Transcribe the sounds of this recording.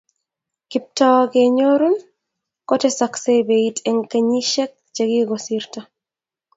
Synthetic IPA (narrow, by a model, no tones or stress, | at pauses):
kip̚tɔkeɲoɾun | kɔtɛsaksebeitʰɛŋkaɲiʃɛk̚t͡ʃeɡiɡɔsiɾta